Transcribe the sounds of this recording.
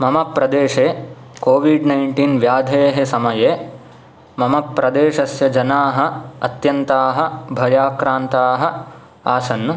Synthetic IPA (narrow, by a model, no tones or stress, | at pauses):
mɐmɐpɾɐd̪eːʂeː | koːʋiɖnɐjɳʈiːnʋjaːd̪ʱeːɦesɐmɐjeː | mɐmɐpːɾɐd̪eːʃɐsjɐd͡ʒɐnaːɦɐ̆ɐt̪jɐnt̪aːɦɐ̆bʱɐjaːkɾaːnt̪aːɦɐ̆ | aːsɐnːu